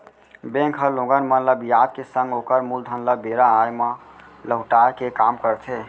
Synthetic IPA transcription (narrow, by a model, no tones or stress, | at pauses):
bẽŋkʰɦəlõɡənmənləbjad̪̚kesə̃ŋɡokəɾmuld̪ʱənləbeɾaːjmə | ləɦʈaekekamkəɾt̪ʰe